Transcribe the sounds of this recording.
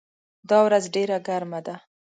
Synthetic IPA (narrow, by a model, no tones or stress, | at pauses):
d̪ɑwɾazɖeɾaɡaɾmad̪a